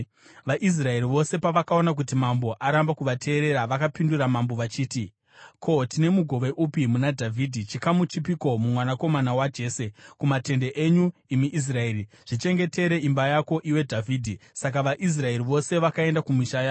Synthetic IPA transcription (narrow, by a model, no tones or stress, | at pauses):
ʋaʔis̬rae̞ɾiʋo̞se̞paʋakao̞nak̬utimambo̞ʔaɾambakuʋatʰe̞ːɾe̞ɾaʋakapinduɾamambo̞ʋat͡ʃiːti | kʰo̞tine̞muɡʱo̞ʋe̞ʔupimunadʱavʱidʱit͡ʃikamut͡ʃipiko̞mumwanako̞manawad͡ʒe̞ːse̞kumate̞ndeʔeɲuimiʔis̬rae̞ri | ʐ̥it͡ʃe̞ŋɡe̞te̞ɾe̞imbajako̞ʔiwe̞dʱavʱiːdʱisak̬aʋaʔis̬rae̞ɾiʋo̞se̞ʋakae̞ndakumiʃajaːo